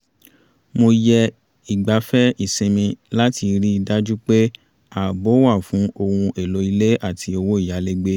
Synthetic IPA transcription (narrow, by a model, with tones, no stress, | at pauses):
mo˧jɛ˧ | i˨ɡ͡ba˨fɛ˦i˦˨sĩ˨˧mĩ˧la˦ti˧ɾi˦i˧da˦d͡ʒu˦k͡pe˦ | a˦˨bo˨˦wa˦˨fũ˨˦o˧hũ˧e˨lo˨˦i˧le˦ʔa˦˨tʰi˧o˧wo˦i˦˨ja˨˦le˦ɡ͡be˦